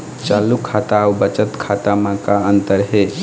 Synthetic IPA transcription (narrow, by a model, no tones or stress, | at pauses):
t͡ʃalukʰːat̪awbət͡ʃət̪kʰat̪amãkaənt̪əɾɦe